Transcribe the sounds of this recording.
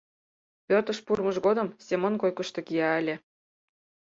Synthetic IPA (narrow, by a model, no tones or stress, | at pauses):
pørt̪ə̆ʃpurmə̆ʒɣod̪ə̆msʲemonkojkə̆ʃt̪ɤ̆kijɑə̆lʲĕ